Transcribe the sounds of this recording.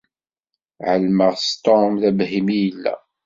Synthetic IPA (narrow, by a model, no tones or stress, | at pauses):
ʕəlməʁst̪omðævhimijəlːæ̰